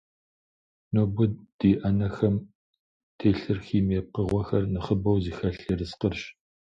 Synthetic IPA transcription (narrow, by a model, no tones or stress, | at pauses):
nobʊdd̥iːʔɐnɐxɐm | tʰeːɬɨrxiːmeːp̚qəʁʷɔxɐrnɨχəbɐwziːxɐɬirɨsqərɕ